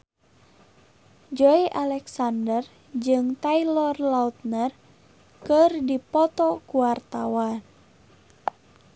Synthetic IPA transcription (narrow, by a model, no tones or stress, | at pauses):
d͡ʒɔiʔalɛksandər | d͡ʒɨŋt̪ailɔrlaut̪̚nər | kɨrdipɔt̪ɔkuwart̪awan